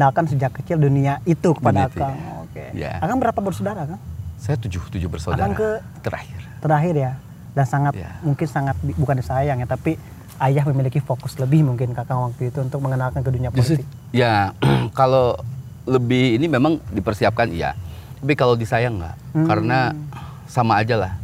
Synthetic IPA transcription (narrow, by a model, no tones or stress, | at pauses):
ənalkansəd͡ʒakːət͡ʃɪlduniaʔit̪ukə̥padaakaŋo̰kḛja̰akaŋbəɾapabərsodaɾakaŋsajat̪ud͡ʒʊht̪ud͡ʒʊbərsauadaaɾŋkə | t̪əɾa̰hɪrt̪əɾaɦɪrja | dansaŋatja̰muŋkɪnsaŋat̪̚bibukandisajaŋjat̪api | ajahməmilikifokʊsləbɪhmuŋkɪnkakaŋwak̚t̪uit̪uːnt̪ʊk̚məŋənalkanɡəduɲiapod͡ʒoiɪ | jakalo | ləbɪhinimemaŋdipərsiap̚kanija̰ | t̪apikalodisajaŋɡa̰ʔkaɾəna | samaːd͡ʒalah